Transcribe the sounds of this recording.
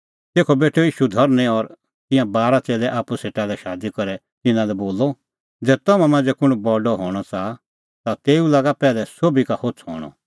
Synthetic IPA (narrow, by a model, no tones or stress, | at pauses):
t̪eːkʰɔbeːʈʰːojiːʃud̪ʱɔɾnɛ̃ɔɾ | t̪ɪ̃jãbaːɾat͡seːlɛʔaːpuseːʈalɛʃaːd̪ikɔɾɛ | t̪ɪnãlɛboːlːɔ | d͡zɛːt̪ɔmãmãːnd͡zɛkʊɽ̃bɔːɖɔɦɔːɽ̃ɔt͡sa | t̪at̪eːulaːɡapɛːlɛsoːbikahot͡sʰɦɔ̰ːɽ̃ɔ̰